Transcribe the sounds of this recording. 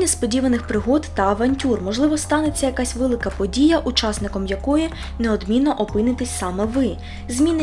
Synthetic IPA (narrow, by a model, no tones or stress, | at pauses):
nʲɐspɔdʲiʋɐnɪxpɾɪɦɔt̪t̪ɐɐʋɐnʲtʲurmɔʒlˠɪʋɔst̪ɑnet͡sʲːɐjɐkɑsʲʋɛlˠɪkɐpɔdʲijɐʔut͡ʃɑsnɪkɔmjɐkɔji | neɔd̪mʲinːɔʔɔpɪnɪt̪ɪsʲsɑmɛʋɪ | zʲmʲinɪ